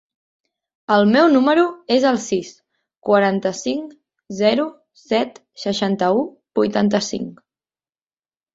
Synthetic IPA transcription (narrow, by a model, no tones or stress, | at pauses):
əlˠmɛwnuməɾuezəlˠsis | kwəɾant̪əsiŋk | zɛɾu | sɛt̪ | səʃant̪əu | b̥ujt̪ant̪əsḭŋ